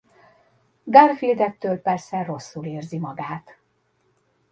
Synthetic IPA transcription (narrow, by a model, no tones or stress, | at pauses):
ɡarfild̪ɛt̪ːøːlpɛrsɛro̞sːuleːrzimɒɡaːt̪